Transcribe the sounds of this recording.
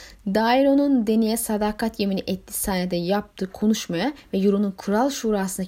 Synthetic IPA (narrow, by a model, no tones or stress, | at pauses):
d̪ajiɾo̞nund̪e̞nijɛsad̪akʰat̪jeminiʔɛt̪lʲi̥saːnɛd̪ɛjap̚t̪ʰɯːkʰo̞nuʃmajavɛjuɾununkʰɯɾalˠʃuːɾaːsɯna